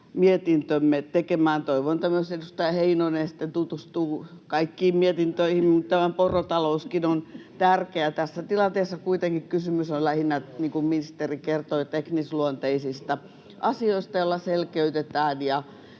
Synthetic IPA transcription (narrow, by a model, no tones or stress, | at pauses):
miet̪int̪ømːet̪ekemæːnt̪oiʋont̪æmːøsedust̪ɑjɑheinonesi̥t̪ːent̪ut̪ust̪uːkɑikːiːmmiet̪int̪øihimmut̪t̪æmæporot̪ɑlouskinont̪ærkeæt̪æsːæt̪ilɑnt̪eːsːɑkuit̪eŋkikkysymysollæhinːæniːŋkumminist̪erikert̪oːt̪eknisluont̪eisist̪ɑ | ʔɑsioist̪ɑjolːɑselkeyt̪et̪æːnjɑ